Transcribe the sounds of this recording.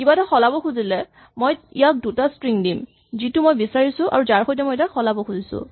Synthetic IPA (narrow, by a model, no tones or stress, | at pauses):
kibataxɔlabɔxʰuzilɛ | mojḭjak̚dutastɹiŋdim | zitʊmojbisaɹisʊʔa̰ɹuzaɹxojtɛmojɛtaxɔlabɔxʰuzisʊ̰̃